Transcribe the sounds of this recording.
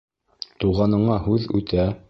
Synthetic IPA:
t̪uʁɑnɤ̆ɴɑhʉðʉ̰t̪æ

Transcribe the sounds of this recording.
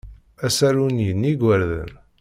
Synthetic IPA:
æsæɾunjənːiɡʷəɾðə̰n

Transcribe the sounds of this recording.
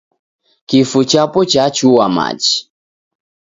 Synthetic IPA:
kifut͡ʃapɔt͡ʃat͡ʃuwama̰d͡ʒi̥

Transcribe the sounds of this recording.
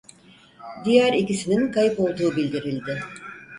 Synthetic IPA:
d̪ijæɾicisininkʰajɯpo̞lˠd̪uːbilʲd̪iɾilʲd̪ɪ

